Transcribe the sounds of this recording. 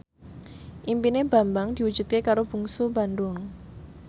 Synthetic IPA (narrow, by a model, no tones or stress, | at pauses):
ʔimpineb̥a̤mbaŋd̪̥iwu̥d͡ʒ̥ṳt̪̚kekaɾob̥ṳŋsubandʊŋ